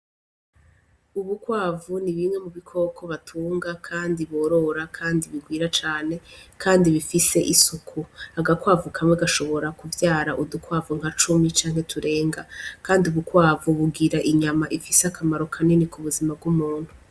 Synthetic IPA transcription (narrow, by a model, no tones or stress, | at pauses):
uβukwaːvuniβimŋe̞muβikʰo̞ːkʰo̞βatʰuːŋɡakʰaːndiβoːɾo̞ɾakʰaːndiβiɡwiːɾat͡ʃaːne̞kʰaːndiβifise̞ʔisukʰuaɡakwaːvukʰamweɡaʃo̞βo̞ɾakuvjaːɾaʔudukwaːvuŋ̥at͡ʃumit͡ʃaːŋ̥he̞tʰuɾe̞ːŋɡakaːndiuβukwaːvuβuɡiɾaʔiɲamaʔifiseakʰamaɾo̞kʰaninikuβuzimab̚ɡumuːn̥hu